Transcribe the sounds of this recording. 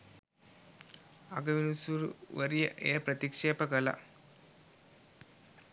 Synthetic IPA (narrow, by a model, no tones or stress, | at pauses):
ɐɡɐʋinusuɾʋɐɾijɐʔeːpɾɐt̪ikʂeːpɐɡɐlɐ̰